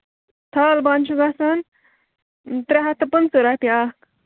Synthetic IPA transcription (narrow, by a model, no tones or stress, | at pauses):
t̪ʰalbant͡ʃʰuɡasan | t̪ɾeɦat̪ʰɐpənt͡səɾapja